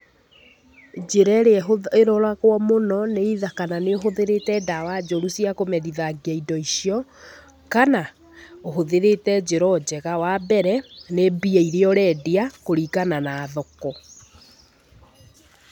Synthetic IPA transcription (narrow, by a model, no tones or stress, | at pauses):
d͡ʑeɾɛɾeɛɦoeɾɔɾaɣwɔmonɔneiðakananeoɦoðeɾetɛdawad͡ʑoɾusiakomɛðiðaɡiaidɔisiɔ | kana | oɦoðeɾetɛd͡ʑeɾɔd͡ʑɛɣawabɛɾɛnebiɛiɾeɔɾɛdeakoɾikananaːðɔkɔ